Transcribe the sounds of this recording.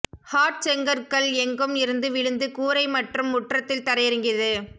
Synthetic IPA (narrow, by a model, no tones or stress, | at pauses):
haːʈ̚sɛŋɡɐɾkɐɭɛŋɡɯmɪɾɯnd̪ɯʋɪɻɯnd̪ɯkuːɾɐɪmɐʈrɯmːʊʈrɐt̪ːɪlt̪ɐɾɐjɪɾɯŋɡɪðɯ